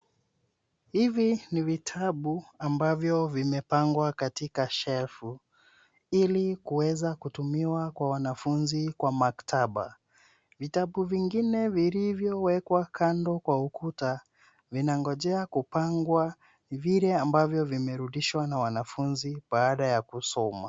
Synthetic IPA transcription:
hivinivitʰaɓuambavjɔvimɛpaŋɡwakatikaʃɛfu | ilikuwɛzakutumiwakwawanafunzikwamaktʰaɓa̰ | vitaɓuviŋɡinɛvilivjɔwɛkwakʰandɔkwaukʰuta | vinaŋɡɔʄɛakupaŋɡwa | niviɾɛambavjɔvimɛɾuɗiʃwanawanafunziɓaːɗajakusɔma̰

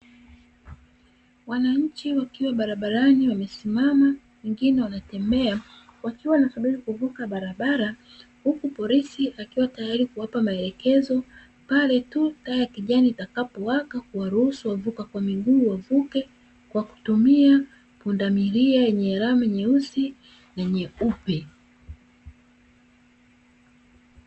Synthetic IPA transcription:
wanaɲ̩t͡ʃiwakiwaɓaɾaɓaɾaniwamɛsimama | wɛŋɡinɛwanatɛmbɛa | wakiwanasaɓiɾikuvukaɓaɾaɓaɾa | hukupɔlisiʔakiwatajaɾikuwapamaɛlɛkɛzɔ | palɛtutajakiʄaniːtakapɔwakakuwaɾuhusuwavukakwamiɡuːwavukɛ | kwaku̥tumia | pundamiɾiajɛɲɛɾamɛɲɛusi | naɛɲɛupɛ

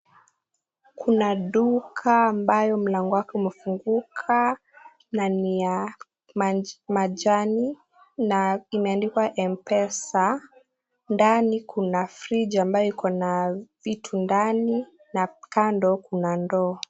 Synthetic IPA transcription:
kʰunaɗukʰaːmbajɔm̩laŋɡɔwakɛumɛfuŋɡukʰa | nanija | mamad͡ʒani | naimɛandikwaʔɛmpɛsa | ndanikʰunafɾid͡ʒaːmbajɔikʰɔnavitʰundani | nakandɔkunandɔː

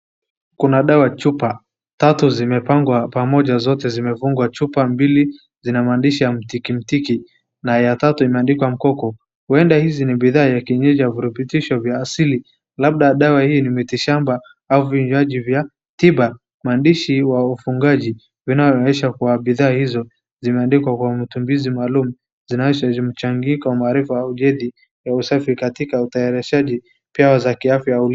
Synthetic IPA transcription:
kunaɗawat͡ʃupa | tatuzimɛpaŋɡwapamɔʄazɔtɛzimɛvuŋɡwat͡ʃupambili | zinamaːndiʃijam̩tikim̩tiki | najatatuimɛandikwam̩kɔkɔ | huɛndahiziniɓiðaːjakiɲɛd͡ʒaviɾupitiʃɔvjaːsili | lab̚ɗaɗawahiːnimitiʃamba | auviɲd͡ʒaʄivja | tiɓa | maːndiʃiwaufuŋɡaʄi | vinavɔɛʃakuwaɓiðaːhizɔ | zimɛandikwakwamitumbizimaːlumu | zinazɔzim̩t͡ʃaŋɡikawamaːɾifajauʄɛði | jausafikatikautajaɾɛʃaʄi | pjawazakiafjaauli

